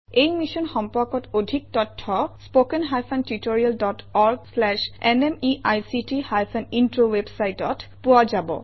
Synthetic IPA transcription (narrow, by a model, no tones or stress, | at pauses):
ejmisɔnxɔmpɔkɔtodʱik̚tɔtʰːɔspokɛnɦajpʰantitoɹialdɔtɔɹɡslɛʃɛnɛmiʔajsitihajpʰanintɹowebsajtɔtpuazabɔ̰